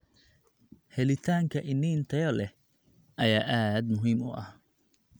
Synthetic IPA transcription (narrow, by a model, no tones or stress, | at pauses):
hɛlɪt̪ʰaːŋkʰɐʔɪnːiːnt̪ʰɐjɔlɛh | ʔɐjaːʔaːd̪mʊɦiːmʊ̰ʔɐ̰h